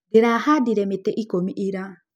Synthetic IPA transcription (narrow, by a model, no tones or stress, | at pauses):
deɾahadiɾɛmetɛʔikomiʔiɾa